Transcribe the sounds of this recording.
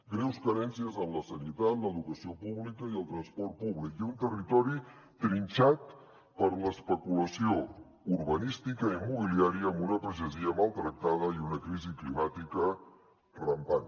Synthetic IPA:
ɡɾɛwskəɾɛnsiəzəmləsənit̪at̪ləðukəsiopuβlikəiəlˠt̪ɾənspɔrt̪̚puβlikiunt̪ərit̪ɔɾi | t̪ɾinʲt͡ʃat̪̚ | pəɾləspəkuləsio | uɾβənist̪ikəimuβ̞iliaɾiəːmbunəpɾəʒəziəmalˠt̪ɾək̚t̪að̞əiunəkɾiziklimat̪ikə | rəmpan

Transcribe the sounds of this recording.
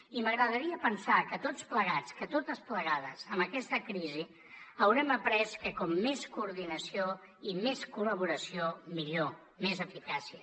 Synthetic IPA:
iməɣɾəðəɾiəpənsakət̪ot͡spləɣ̞at͡skət̪ot̪əspləɣað̞əzəmbəkɛst̪əkɾizi | əwɾɛməpɾɛskəkɔmːeskuːɾðinəsio | imeskuləβ̞uɾəsiomiʎo | mezəfikasiə

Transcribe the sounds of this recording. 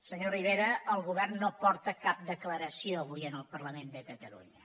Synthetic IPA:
səɲoriβ̞eɾəəlˠɣuβ̞ɛrnːopɔɾt̪əkap̚d̪əkləɾəsioəβ̞ujənəlˠpərləmend̪əkət̪əlṵɲə

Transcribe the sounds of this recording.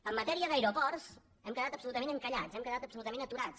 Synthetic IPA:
əmːət̪ɛɾiəðəjɾopɔrs | ɛmkəðat̪əpsulut̪əmẽnəŋkəʎat͡sɛmkəðat̪əpsulut̪əmẽnət̪uɾat͡s

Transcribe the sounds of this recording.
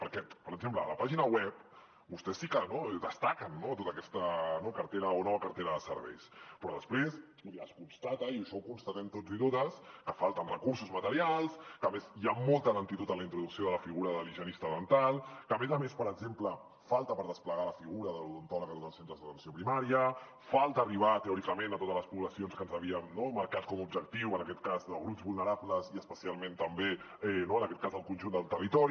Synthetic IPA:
pəɾkɛpəɾəɡzempləːləpaʒinəwɛp̚ | bust̪ɛsːikənoɛd̪əst̪akənːot̪ot̪əkɛst̪ənokəɾt̪eɾəonɔβəkəɾt̪eɾəðəsə̰ɾβɛ̰jspɾɔðəspɾes | uiəskunst̪at̪əiəʃɔwkunst̪ət̪ɛmt̪od͡zit̪ot̪əskəfalˠt̪ənrəkuɾsuzmət̪əɾialˠskəmezjamɔlˠt̪ələnt̪it̪ut̪ələint̪ɾuðuksioðələfiɣuɾəðəliʒanist̪əðənt̪alˠkəːmezəmespəɾəɡzemplə | falˠt̪əpəɾðəspləɣaləfiɣuɾəðəluðunt̪ɔləkət̪ot̪əlˠsent̪ɾəzðət̪ənsiopɾimaɾiə | falˠt̪əːriβ̞at̪əɔɾikəmenət̪ot̪əzləspuβləsionskənzəβiəmnoməɾkaskɔmub̚ʒək̚t̪iwənəkɛt̪̚kazðəɣɾupzβulˠnəɾabləziəspəsialˠment̪əmbe | ɛnoənəkɛt̪kazðəlˠkunʒund̪əlˠt̪ərit̪ɔɾi

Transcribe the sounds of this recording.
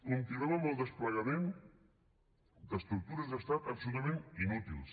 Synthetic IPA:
unt̪iɾɔməməlˠd̪əspləɣəmen | d̪əst̪ɾuk̚t̪uɾəzðəst̪at̪əksunəmẽninut̪ḭlˠs

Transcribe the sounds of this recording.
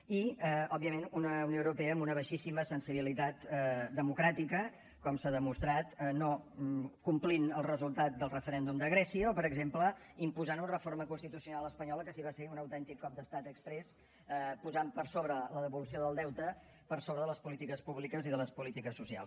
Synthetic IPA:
iəɔbiəmenunəunijowɾupeəmbunəβ̞əʃisiməsənsiβilit̪at̪d̪əmukɾat̪ikə | kɔmsaðəmust̪ɾat̪nokumplinəlˠrəzulˠt̪at̪̚d̪əlˠrəfəɾɛnd̪umd̪əɣɾɛsiəɔpəɾəɡzemplə | impuzanunrəfoɾməkunst̪it̪usiunalˠəspəɲɔləkəsiβaseunəwt̪ɛnt̪ikːɔp̚d̪əst̪at̪əkspɾɛs | puzampəɾsoβɾələðəβulusioðəlˠd̪ɛwt̪ə | pəɾsoβɾəðələspulit̪ikəspuβlikəziðələspulit̪ikəsːusia̰lˠs

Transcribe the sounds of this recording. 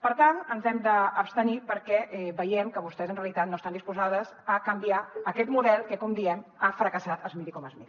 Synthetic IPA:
pəɾt̪anənzɛmd̪əːpst̪ənipəɾkɛʔɛβəjɛmkəβust̪ɛzənreəlit̪at̪noəst̪and̪ispuzaðəzəkəmbiaəkɛt̪muðɛlˠkəkɔmd̪iɛmafɾəkəsat̪əzmiɾikɔməzmiði

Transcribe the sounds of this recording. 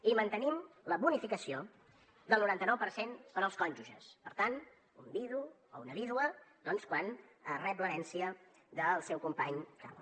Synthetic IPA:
imənt̪ənimləβunifikəsio | d̪əlˠnuɾant̪ənɔwpəɾsenpəɾəlˠskɔnʲʒuʒəspəɾt̪an | umbiðu | ounəβiðwəd̪ɔnskwanərɛp̬ləɾɛnsiə | ðəlˠsɛwkumpaɲka̰l

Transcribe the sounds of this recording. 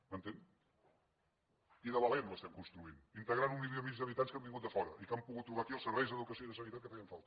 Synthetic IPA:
mənt̪en | iðəβəlɛmləst̪ɛmkunst̪ɾuinint̪əɣɾanumiiəmit͡ʃzðəβit̪anskambiŋɡut̪̚d̪əfɔɾə̰ʔikampuɣut̪ːɾuβakiəlˠsəɾβɛjzðəðukəsioiðəsənit̪at̪̚kəfaiəɱfa̰lˠt̪ə̥

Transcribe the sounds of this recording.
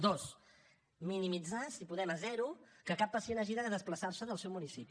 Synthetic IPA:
d̪os | minimid͡zasipuðɛməzɛɾukəkapːəsienaʒiðəðəðəspləsarsəðəlˠsɛwmunisipi

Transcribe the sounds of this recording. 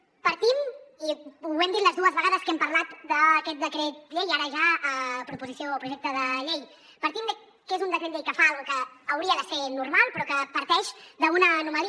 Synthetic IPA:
pəɾt̪imiuɛmd̪it̪ləzðuəzβəɣaðəskɛmpəɾlat̪d̪əːkɛt̪̚d̪əkɾɛt̪̚ʎejaɾəʒaəpɾupuzisioːpɾuʒɛk̚t̪əðəʎej | pəɾt̪imd̪ə | kezund̪əkɾɛt̪ʎejkəfaalɣukəːwɾiəðəsenuɾmalˠpɾɔkəpəɾt̪ɛʃd̪əunənuməl

